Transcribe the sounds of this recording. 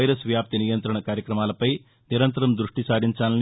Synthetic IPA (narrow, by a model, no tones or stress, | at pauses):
ɐjɾɐsʋjaːp̚t̪inijɐnt̪ɾɐɳɐkaːɾjɐkɾɐmaːlɐpɐj | niɾɐnt̪ɐɾɐmd̪ɾuʂʈisaːɾiɲt͡ʃaːlɐn